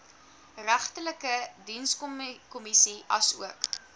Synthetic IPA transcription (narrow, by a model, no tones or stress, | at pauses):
ræχtələkədinskɔkɔmisiɐsṵək